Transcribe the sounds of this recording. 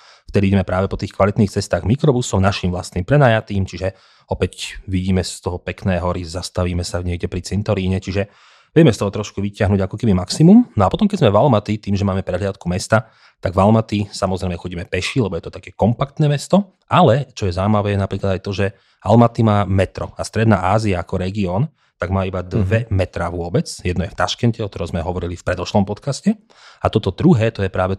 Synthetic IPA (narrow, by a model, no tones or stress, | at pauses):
ft̪ɛd̪iiɟɛmɛpɾaːʋɛpɔt̪iːxkʋalit̪niːxt͡sɛst̪aːɣmikɾɔbusɔmnaʃimʋlast̪niːmpɾɛnaːjat̪iːmt͡ʃiʒɛ | ɔpɛcʋiɟiːmɛst̪ɔɦɔpɛknɛːɦɔɾizast̪aʋiːmɛsaɲɪɛɡɟɛpɾit͡sɛnt̪ɔɾiːɲɛt͡ʃiʒɛ | ʋɪɛmɛst̪ɔɦɔt̪ɾɔʃkuʋicɪaɦnuːɟakɔkɛbimaksimumnɔapɔt̪ɔmkɛɟzmɛvalmat̪it̪iːmʒɛmaːmɛpɾɛdɦlɪat̪kumɛst̪a | t̪aɡvalmat̪isamɔzɾɛjmɛxɔɟiːmɛpɛʃilɛbɔjɛt̪ɔt̪akɛːkɔmpakt̪nɛːmɛst̪ɔ | ʔalɛt͡ʃɔjɛzawimaʋɛːjɛnapɾiːklad̪ajt̪ɔʒɛ | almat̪imaːmɛt̪ɾɔast̪ɾɛd̪na̰ːʔaːziaːkɔɾɛɡiɔːn | t̪aɡmaːibad̪ʋɛmɛt̪ɾaːʋʊɔbɛt͡sjɛd̪nɔjɛft̪aʃkɛncɛɔt̪ɔɾɔ̃mzmɛɦɔʋɔɾilifpɾɛd̪ɔʃlɔmpɔt̪kascɛ | at̪ɔt̪ɔd̪ɾuɦɛːt̪ɔjɛpɾaːʋɛ